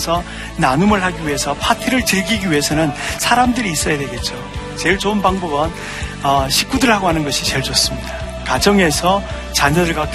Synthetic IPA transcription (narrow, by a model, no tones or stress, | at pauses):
sʰʌ | nanumɯɭɦaɡiɥɦe̞sʰʌpʰatʰiɾɯɭt͡ɕɯɭɡiɡiɥiɦe̞sʰʌnɯnsʰaɾamdɯɾiːs͈ʌjadwe̞ɡe̞t̚t͡ɕ͈o | t͡ɕe̞ɭt͡ɕoɯnbaŋbʌɡʌn | ʌɕʰik͈udɯɭɦaɡoɦanɯnɡʌɕʰit͡ɕe̞ɭt͡ɕos͈ɯmɲida | kad͡ʑʌŋe̞sʰʌ | t͡ɕaɲʌdɯɭɡwak